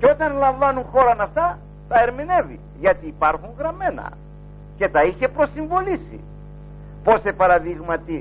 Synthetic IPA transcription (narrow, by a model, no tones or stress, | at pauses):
ceo̞t̪ɐnlɐɱvɐnuŋxo̞ɾɐnɐft̪ɐ | t̪ɐe̞ɾmine̞vḭ | ʝɐt̪iːpɐɾxuŋɣɾɐme̞nɐ̰ | ce̞t̪ɐiçe̞pɾo̞siɱvo̞lisḭ | po̞se̞pɐɾɐðiɣmɐt̪i